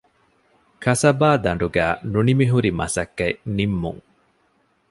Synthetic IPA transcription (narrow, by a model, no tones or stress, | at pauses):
kʰɐsɐbaːd̪ɐɳɖuɡæːnunimiɦuɾimɐ̰sɐkːɐjnimːṵŋ